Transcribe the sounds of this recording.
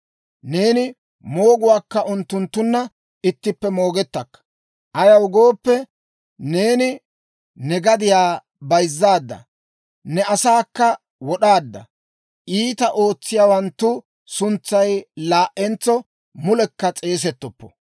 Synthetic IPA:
ne̞ːnɪ | mo̞ːɡʊwaːkːɐʔʊnt̪ːʊnt̪ːʊnːɐ | ɪt̪ːɪpːɛmo̞ːɡɛt̪ːɐkːɐ̥ | ʔɐjɐwʊɡo̞ːpːɛ | ne̞ːnɪ | nɛɡɐd̪ɪjaː | bɐjzːaːd̪ːɐ̰ | nɛɐsaːkːɐ | wɔɗaːd̪ːɐ̰ | ʔiːt̪ɐʔo̞ːt͡sːɪjaːwɐnt̪ːʊ | sʊnt͡sːɐjlaːʔɛnt͡sːɔ | mʊlɛkːɐt͡sʼe̞ːs̬ɛt̪ːɔpːɔ̥̰

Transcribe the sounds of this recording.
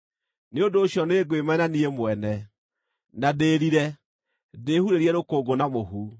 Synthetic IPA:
neondoːɕjɔneɡwemainaniemoɛnɛ | nadeɾiɾɛ | deːhuɾeɾiɛɾokoːɡonamoɦu

